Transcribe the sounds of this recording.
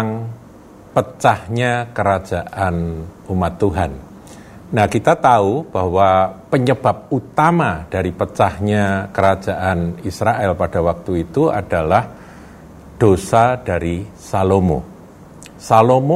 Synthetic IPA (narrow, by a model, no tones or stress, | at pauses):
ŋ | pət͡ʃahɲakəɾḁd͡ʒaʔanumat̪ːuɦanː | ahkit̪at̪aub̥ahwapəɲəb̥a̤p̚ut̪amad̥aɾipət͡ʃahɲakəɾḁd͡ʒaʔanisɾaʔɛlpad̥awak̚t̪uit̪ua̰d̥alah | d̥osad̥aɾisalomo̰ | salomo